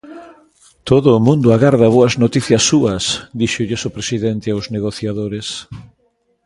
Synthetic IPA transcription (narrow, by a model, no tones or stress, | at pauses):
t̪oðʊːmũnd̪ʊaɣaɾðɐβ̞oɐznot̪iθjɐsːuɐsd̪iʃʊʎesopɾesiðɛnt̪ɪawzneɣoθjaðoɾes